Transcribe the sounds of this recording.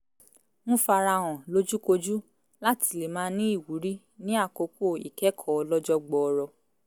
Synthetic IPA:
mũ˦fa˧ɾa˧w̃ɔ̃˨lo˦d͡ʒu˦ko˧d͡ʒu˦ | la˦ti˧le˨mãː˦nĩ˦i˦˨wu˨˦ɾi˦ | nĩ˦a˦˨ko˧ko˦˨ḭ˨kɛ˨˦kʰɔ˦ɔ˧lɔ˦d͡ʒɔ˦ɡ͡bɔ˨ɔ˧ɾɔ˧

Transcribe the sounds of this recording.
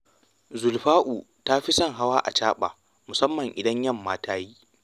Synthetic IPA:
zʊ˨lɸaː˦ʔuː˨ | ta˦ɸi˦sɐ˦˨ŋɦa˦waː˦ʔa̰˨t͡ʃaː˦ɓa̰ː˨ | mʊ˨sɐ˦mːɐ˨ŋʔɪ˨dɐ˦ɲjɐ˦˨mːaː˦tʰaː˦ji˦

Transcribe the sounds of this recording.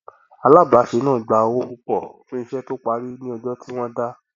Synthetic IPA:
a˧la˦˨ba˨˦ʃe˨˦nãː˦˨ɡ͡ba˨˧wo˦u˧k͡pɔ˦˨ | ũ˦ĩ˧ʃɛ˦to˦k͡pa˧˦ɾi˦nĩ˦ɔ˧d͡ʒɔ˦ti˦w̃ɔ̃˦da˦

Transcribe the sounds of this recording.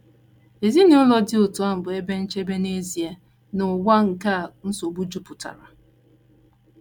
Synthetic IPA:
e˨zi˦nɪ˨ʊ˦lɔ˦dɪ˦ʊ˨tʊ˨˦a˦m̩˨bʊ˨e˦be˦n̩˦t͡ʃe˦be˦ne˦zi˦e˦ | nʊ˨wa˦ŋ̩˨ka˦˨n̩˦so˨bu˦d͡ʒu˦pʊ˨ta̰˨ɾa˨

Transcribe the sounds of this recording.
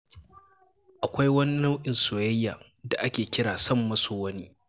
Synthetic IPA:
ʔa˨kʷa˦jwɐ˦ni˦nɐ˦wʔʲɪ˨nsʊ˨wɛ˦jːaː˨ | da˨ʔa˦kʲeː˨kʲɪ˦ɽaː˨sɐ˦˨mːɐ˦suː˨wɐ˦ni˦

